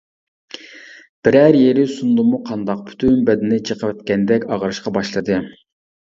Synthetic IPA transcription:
b̥ɪɾæɾjeɾɪsund̪ɨmuqʰɑnd̪ɑq̚pʰy̥t̪ʰynbɛd̪ɪnɪt͡ʃʰəqʰəwɛt̪̚kʲɛnd̪ɛkʲɑʁɾɨʃqɑbɑʃlˠɨd̪ɨ

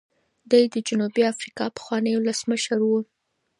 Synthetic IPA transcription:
d̪ajd̪əd͡ʒʊnubiafɾikɑpə̥xwɑnəjwʊləsməʃəɾwu

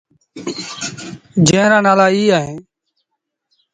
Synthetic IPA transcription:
d͡ʒẽːɾãːnaːlaːiːaːɦẽː

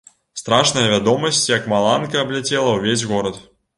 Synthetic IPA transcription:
st̪ɾaʂnɐjɐvʲad̪ɔmɐsʲt͡sʲjɐkmalˠankɐːblʲat͡sʲɛlˠɐwvʲezʲɣɔɾɐt̪

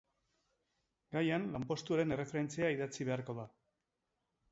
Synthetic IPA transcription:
ɡajanlampo̞st̪uaɾe̞ne̞re̞fe̞ɾe̞nt͡seaiðat͡siβe̞aɾko̞ða

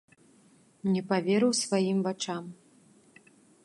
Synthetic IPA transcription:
nʲɛpavʲeɾɨwsvajimvat͡ʂam

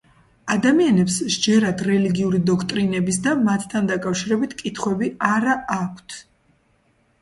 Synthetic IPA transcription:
ad̪amianɛpsd͡ʒɛɾad̪ɾɛliɡiuɾid̪ɔkʰt̪ʼɾinɛbis̬d̪amat̪ʰt̪ʰand̪akʼafʃiɾɛbit̪ʰkʼit̪ʰχwɛbiaɾaakʷʰt̪ʰ

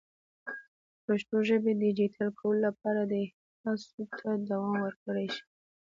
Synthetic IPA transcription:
paʃt̪oʒəbed̪əd͡ʒit̪ʰalkʰawəlolap̚ɑɾad̪əɪh | nɑsut̪ʰad̪awɑmwəɾkəɽajʃi̥

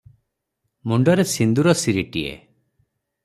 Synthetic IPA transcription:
muɳɖɔɾesind̪uɾɔsiɾiʈiḛ

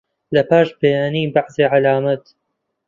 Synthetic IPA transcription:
lɐpaːʃbɐjaːniːbaʕzeːʕalaːmat̪

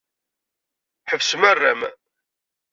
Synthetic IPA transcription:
ħəvsəmərːæ̰m

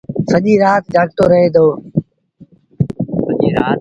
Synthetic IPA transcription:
səʄiːɾaːt̪̚d͡ʒaːɡt̪oːɾəɦeːd̪ʱoː | əʄiːɾaː

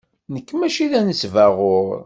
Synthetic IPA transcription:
nəkːmæʃiðænəsvæʁʊɾ

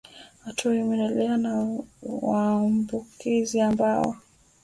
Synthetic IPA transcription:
hatuaimɛndɛlɛanawaːmbukiziambaɔ̰

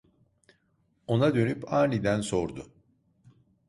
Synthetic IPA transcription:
o̞nad̪ø̞nypaːnid̪ænso̞ɾd̪ʊ

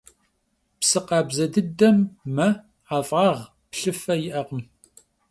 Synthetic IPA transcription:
psɨqɑːbzɐdɨdɐmːɐ | aːfʼɑːʁ | pɬɨfɐjɪʔɐqəm

